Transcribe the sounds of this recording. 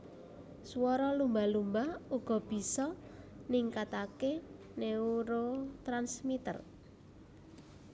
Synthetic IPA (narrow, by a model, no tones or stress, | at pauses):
swɔɾɔlumbalumbahuɡ̥ɔ̤b̥i̤sɔniŋkat̪ake | neuɾot̪ɾansmit̪ə̰r